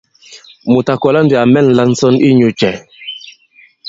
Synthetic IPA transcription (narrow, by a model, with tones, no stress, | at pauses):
mu˨ta˨kɔ˨la˦ndi˨a˨mɛ˦˨n̩˨la˦n̩˦sɔ˦ni˦ɲu˨t͡ʃɛ˨